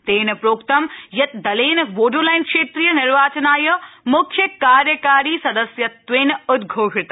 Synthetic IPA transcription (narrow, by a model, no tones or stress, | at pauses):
t̪eːn̆pɾoːkt̪ɐmjɐt̪d̪ɐleːnʋoːɖoːlaːɪnkʃeːt̪ɾiːjənɪɾʋaːt͡ɕɐnaːjɐmʊkʰjəkaːɾjəkaːɾiːsɐd̪əsjɐʋeːnʊt̪ɡʱoːɦɪt̪